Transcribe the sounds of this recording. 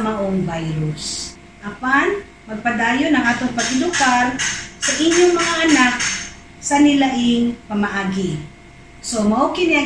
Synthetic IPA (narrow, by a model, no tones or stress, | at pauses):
mɐʔoŋvajɾʊs | ʔapan | mɐɡ̚pɐd̪aːjonɐŋʔaːt̪oŋpɐɡɪd̪ʊkaɾsɐʔɪɲːoŋmɐŋaʔɐnak̚ | sɐnɪlaʔɪŋpɐmɐʔaːɡɪ | somɐʔokɪnɪa